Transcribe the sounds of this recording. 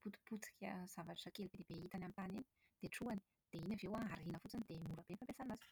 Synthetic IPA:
put̪u̥put͡si̥kʲəz̥avaʈ͡ʂḁakelipid̪ibeit̪anamt̪anini̥ | d̪̥eʈ͡ʂuani̥ | d̪̥einavewaaɾinəfut͡sanid̪emuɾabenfampesanazi̥

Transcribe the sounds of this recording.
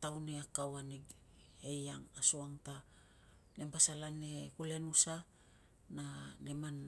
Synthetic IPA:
tawneakawaniɡ | ejaŋasuaŋta | nempasalane̞kule̞nusa | naleman

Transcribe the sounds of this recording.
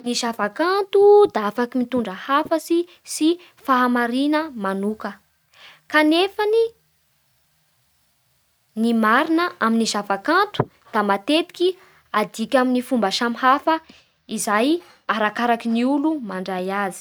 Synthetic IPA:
niʃavakant̪ud̪aafakimit̪uɳɖ͡ʐəhafəsi | si | faɦamaɾinəmanukə | kanefani | nimaɾinəʔaminiʃavakant̪u̥ | d̪̥amat̪et̪i̥ki | ad̪ikʲaminifumbaʃamhafə | izaj | aɾakaɾakiniulumaɳɖ͡ʐajazi̥

